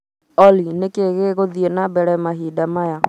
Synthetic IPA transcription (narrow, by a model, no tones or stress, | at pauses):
ɔlinekeɣeɣoðienabɛɾɛmaɦidamaja